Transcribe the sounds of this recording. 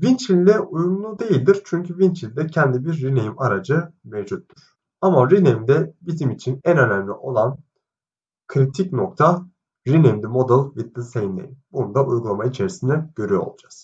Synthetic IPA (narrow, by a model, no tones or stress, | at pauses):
vint͡ʃilʲd̪ɛʔujumlˠud̪e̞jilʲd̪iɾt͡ʃʰyɲcʰyvint͡ʃʰilʲd̪ɛcʰɛnd̪ibiɾːinejimaɾad͡ʒɯmevd͡ʒut̪ːuɾ̥ | amaɾinejimd̪ɛbizimit͡ʃʰinænønæmlʲiʔo̞lˠan | kʰɾit̪ʰicnok̚t̪ʰa | ɾinejmd̪imo̞d̪ɯlˠvit̪̚ːɯsejind̪ḛjinbunund̪aʔujɡulˠamait͡ʃʰe̞ɾisind̪ɛɟ̥ø̞ɾyjoo̰lˠud͡ʒaz̥